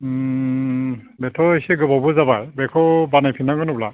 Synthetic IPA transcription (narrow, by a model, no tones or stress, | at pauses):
bɛtʰɔisɛɡɯbabuzabajbɛkʰɔbanajpʰinaɡɔnɔbla